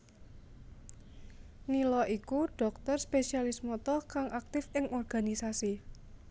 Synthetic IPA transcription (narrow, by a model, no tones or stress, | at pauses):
nilɔʔikuɖ̥ɔ̤k̚t̪ɔrspesialismɔt̪ɔkaŋʔak̚t̪ɪfɪŋɔrɡ̥a̤nisasi